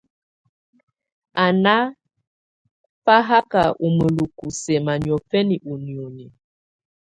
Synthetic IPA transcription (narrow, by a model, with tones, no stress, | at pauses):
a˨na˦ | fa˦ɦa˦ka˨ʔu˨mə˨lu˨ku˨sɛ˨ma˨ni˨ɔ˨fɛ˦ni˨ʔu˨ni˨o˨ɲɛ˨